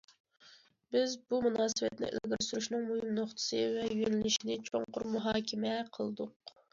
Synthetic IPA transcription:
b̥ɪzbumunɑːsɨvɛt̪nɪ̰ʔḛlɡʲɪɾsuɾuʃnɨŋmuhɨmnoχt̪ʰɨ̥sɨvɛjyjenɪlɪʃinɪt͡ʃʰoŋqʊɾmuɦɑːkʲʰɪmɛqʰəlˠd̪ʊq

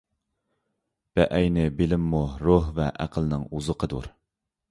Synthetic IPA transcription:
b̥ɛʔɛjnɪbɪlɪmːuɾoɦvɛʔæ̰qʰəlˠnɨŋuzəqʰəd̪ṵɾ

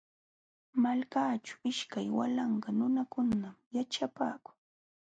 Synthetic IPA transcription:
malkaːt͡ʃḁɪʃkajwa̰lɑɴɢɑnʊnakʊnnamjaʈ͡ʂapaːkʊ̥ŋ

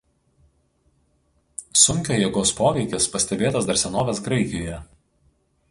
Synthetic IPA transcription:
sʊŋʲkʲoːjeːɡoːspoːʋʲɛɪkʲɪspɐsʲt̪ʲɛbʲeːt̪ɐsd̪ɐɾʲsʲɛnoːʋʲɛsɡɾɐɪkʲɪjoːjɛ

